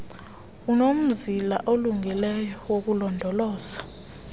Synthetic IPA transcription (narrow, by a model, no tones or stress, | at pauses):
unom̩zilaʔoluŋʱilɛjɔwok̬ulɔndʱɔlɔːz̥ḁ